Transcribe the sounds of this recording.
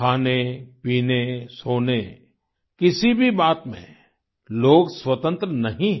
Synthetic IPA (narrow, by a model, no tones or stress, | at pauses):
kʰaːnepiːnesoːne | kɪsibʱibaːt̪mḛ̃ | loːɡswɐt̪ə̃nt̪ɾənɐɦĩ